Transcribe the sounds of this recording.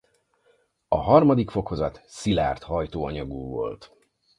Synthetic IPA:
ɒɦɒrmɒd̪ikfo̞ko̞zɒt̪sila̰ːrt̪hɒjt̪oːɒɲɒɡuːvo̞̰lt̪

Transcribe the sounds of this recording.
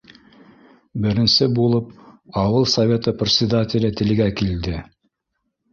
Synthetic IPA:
bɘ̆ɾɘ̆nsɘbulˠɤpɑwɤlˠsɐvʲe̞t̪əprʲɪt̪sʲɪd̪atʲɪlʲɘt̪ɘ̆lɡækild̪ɘ

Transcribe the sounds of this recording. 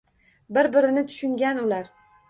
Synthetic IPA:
bɪɾbɪɾɪnɪt̪ʰʊ̥ʃʊŋɡʲanʊlaɾ

